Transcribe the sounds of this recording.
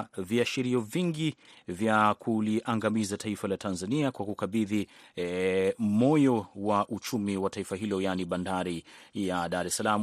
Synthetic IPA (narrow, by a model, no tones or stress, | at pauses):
viaʃiɾiɔviŋɡi | vjakʰuliʔaŋɡamizataifalatʰanzaniakwakukaɓiði | mɔjɔwaʔut͡ʃumiwataifaɦilɔjaniɓandaɾijaɗaɾɛsalam